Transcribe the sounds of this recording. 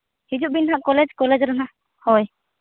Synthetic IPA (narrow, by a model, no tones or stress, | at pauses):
hid͡ʒuʔbinɦaʔkɔlɛd͡ʒkɔlɛd͡ʒɾana | hɔj